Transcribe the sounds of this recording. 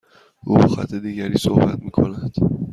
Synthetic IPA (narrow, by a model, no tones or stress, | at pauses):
huuɣæ̰t̪ʰːed̪iːɟæɾiːso̰hbæt̪miːkʰo̞̰næd̪̥